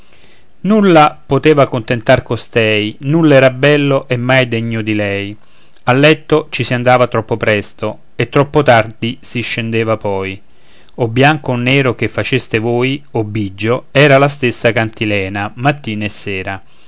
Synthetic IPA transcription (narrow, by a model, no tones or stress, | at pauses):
nulːapot̪eːvakont̪ent̪arkost̪ɛjnulːɛːɾabɛlːoʔemːajd̪ɛɲːod̪ilɛj | alːɛt̪ːot͡ʃisiand̪aːvat̪ɾɔpːopɾɛst̪o | et̪ːɾɔpːot̪ard̪isiʃːend̪eːvapɔj | obːjaŋkonːɛːɾok̟efːat͡ʃest̪evoːjobːid͡ʒːoɛːɾalast̪esːakant̪ilɛːnamat̪ːiːnesːɛːɾa